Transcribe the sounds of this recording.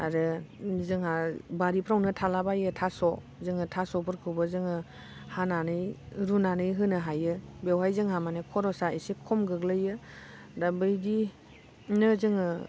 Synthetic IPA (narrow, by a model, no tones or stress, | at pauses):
a̰ɾɯzɯŋabaɾipʰɾawnɯtʰalabajɯtʰasɔ | zɯŋɯtʰasɔpʰɯɾkʰɯbɯzɯŋɯ | hananɯjɾunanɯjɦɯnɯɦajɯbewɦajzɯŋhamanekʰɔɾɔsaisikʰɔmɡɯɡlɯjɯ | dabɯjdi | nɯzɯŋɯ